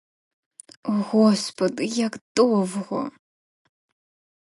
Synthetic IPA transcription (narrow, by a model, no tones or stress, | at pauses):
uɣɔspʰodɨjaktʼovʁʷɔ̰